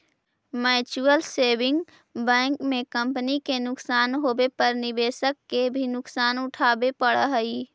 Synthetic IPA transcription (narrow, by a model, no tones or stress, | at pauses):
mɛːt͡ʃuəlseːbɪ̃ŋɡ | bɛ̃ːŋkmẽkə̃mpənikenʊksaːnɦoːbepəɾnɪbeːsəkːebʱinʊksaːnʊʈʰaːbepəɽəɦəi